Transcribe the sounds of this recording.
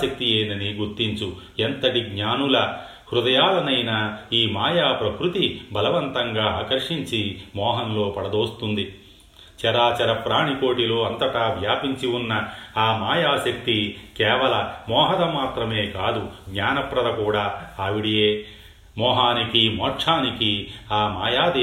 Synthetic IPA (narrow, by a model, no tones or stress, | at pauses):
ɐk̚t̪ieːnɐniɡuɾt̪ːiɲt͡ʃu | ent̪ɐʈiɡɲaːnulɐ | hɾud̪ɐjaːlɐnɐjnɐiːmaːjaːpɾɐkɾut̪ibʱɐlɐʋɐnt̪ɐŋɡaːaːkɐɾʂiɲt͡ʃimɔːɦɐnlo̞ːpɐɽɐd̪o̞ːst̪und̪i | t͡ʃɛɾaːt͡ʃɐɾɐpɾaːɳiko̞ːʈilo̞ːɐnt̪ɐʈɐʋjaːpiɲt͡ʃiwunːɐːmaːjaːsɐk̚t̪ikɛːʋɐlɐmɔːɦɐd̪ɐmaːt̪ɾɐmeːkaːd̪uɡɲaːnɐpɾɐd̪ɐkuːɽaːɐʋiɽijeː | mɔːɦaːnikimɔːʈʂʰaːnikiaːmaːjaːd̪e